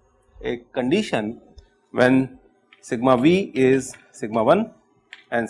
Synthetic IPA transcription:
ekːə̃ɳɖiʃə̃n | ʋɛ̃n | sɪɡmaʋiːɪz | sɪɡ̚maʋʌ̃n | ɛ̃n

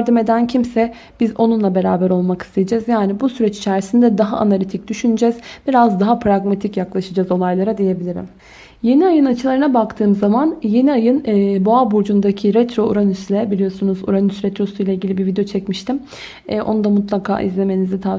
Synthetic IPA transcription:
ɾd̪ime̞d̪æncʰimsɛ | b̥izo̞nunlˠabe̞ɾaːbæɾo̞lˠmaki̥st̪ʰejid͡ʒɛzjaːnibusyɾɛt͡ʃi̥t͡ʃʰæɾsind̪ɛd̪aɦaʔa̰nalʲit̪ʰic̚d̪yʃynyd͡ʒɛzb̥iɾazd̪aɦapʰɾaɡmat̪ʰicjaklˠaʃad͡ʒazo̞lˠajlˠaɾad̪eje̞bilʲiɾḭm | je̞niajɯnat͡ʃʰɯlˠaɾɯnabakt̪ʰɯːmzamanje̞niajɯnːboabuɾd͡ʒund̪acʰiɾɛt̪ɾo̞uɾanyslʲɛbilʲijo̞sunuzṵɾanysɾɛt̪ɾo̞sujlʲˠailʲɟiibiɾvid̪ejo̞t͡ʃʰɛcmiʃt̪ʰim | ɛʔo̞nud̪amut̪lˠakʰa̰ːʔḭzlʲe̞me̞nizɛt̪ʰa

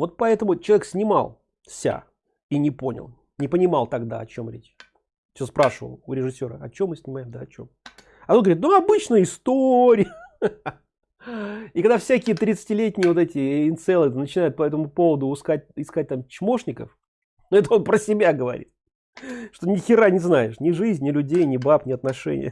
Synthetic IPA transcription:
vo̞t̪̚pɐɛt̪əmʊt͡ɕɪlˠɐeksʲnʲɪmɑ̰lˠ | sʲa̰ | inʲɪpo̞nʲɪ̰lˠ | nʲɪpənʲɪmɑlˠt̪ɐɡd̪a̰ɐt͡ɕo̞mɾʲḛt͡ɕ | t͡ɕspɾʔaʂəvə̰lˠʊɾʲɪʐɨsʲːo̞ɾə̰ɐt͡ɕomːɨsʲnʲɪmajɪmd̪aɐt͡ɕo̞̰m | ɐt̪onɡvɾʲit̪nuɐbɨt͡ɕnəjɪst̪oɾʲɪə | ɪkɐɡd̪afsʲækʲɪjət̪ɾʲɪt̪sɨ̥tʲɪlʲetʲnʲɪjəvo̞t̪ɛtʲɪɪnt̪sɛlˠɨnət͡ɕɪnajʊt̪̚pɐɛt̪əmʊpo̞vəd̪ʊʊskat̚ʲɪskat̚ʲt̪amt͡ɕmo̞ʂnʲɪkəf | noɛt̪əonpɾəsʲɪbʲaɡəvɐ̰ɾʲḭt̪̚ | ʂt̪onʲɪxʲɪɾanʲɪznajɪʂnʲɪʐɨzʲnʲɪlʲʉdʲejnʲɪbapnʲɪɐt̪nɐʂɛ̰nʲɪ̰jə̰

